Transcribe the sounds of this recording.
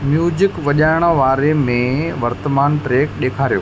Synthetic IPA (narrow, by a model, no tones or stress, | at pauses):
mjuːd͡ʑɪkʋɐʄaːɪɽ̃ə̆ʋaːɾemẽʋɐɾt̪əmaːnʈɾeːkɗeːkʰaːɾijo̰ː